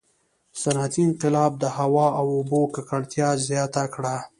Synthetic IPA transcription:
sanat̪iɪnqɪlɑb̚d̪əhawɑawobokakaɽt̪jɑzjɑt̪akɽa

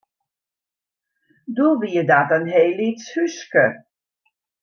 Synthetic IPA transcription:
duʋiədatənɦeːlitshyskə

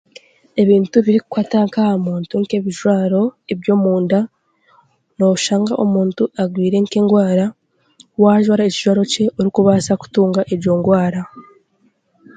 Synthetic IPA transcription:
e̞βiːntuβiɾikukwaːtaŋkahamuːntuŋke̞βiʒwaːɾo̞e̞βjo̞ːmuːnda | no̞ʃaːŋɡa̰ʔomuːntuaɡwiːɾe̞ŋke̞ːŋɡwaːɾa | waːʒwaːɾaeciʒwaːɾo̞ce̞ʔoɾikuβaːsaku̥tuːŋɡaʔeɾɟo̞ːŋɡwaːɾa

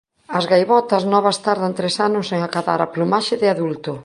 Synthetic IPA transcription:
ɐzɣajβɔt̪ɐsnɔβɐst̪aɾðɐnt̪ɾesanʊseŋakaða̰ɾaplumaʃɪðɪaðult̪ʊ

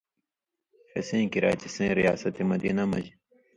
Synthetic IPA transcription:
fḛsẽːkiɾa̰ːt͡ɕisẽːɾija̰ːsɐt̪emɐd̪jinɐmɐd͡ʑi

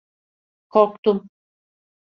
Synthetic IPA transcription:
kʰoɾkt̪um

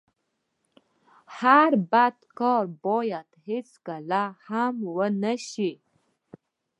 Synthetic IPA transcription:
haɾbad̪kɑɾbɔjad̪het͡skalahamwənaʃi

